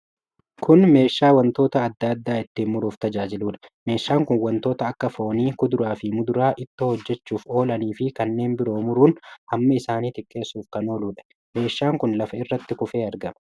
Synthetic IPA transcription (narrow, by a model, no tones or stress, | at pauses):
kʰʊnme̞ːʃːaːwɐnt̪o̞ːt̪ɐːd̪ːɐd̪ːaːɪt̪ːiːnmʊɾuːft̪ɐd͡ʒaːd͡ʒɪluːᶑɐ̥me̞ːʃːaːŋkʊnwɐnt̪o̞ːt̪ɐːkːɐfo̞ːniːkʊd̪ʊɾaːfɪmʊd̪ʊɾaːʔɪt̪ːoːhɔd͡ʒːɛt͡ʃːuːfo̞ːlɐniːfɪkɐnːe̞ːnbɪɾo̞ːmʊɾuːnhɐmːɐɪsaːniːt̪ɪkʼːe̞ːsuːfkɐno̞ːluːᶑɐ̥ | me̞ːʃːaːŋkʊnlɐfɐɪrːɐt̪ːɪkʊfe̞ːɐɾɡɐmɐ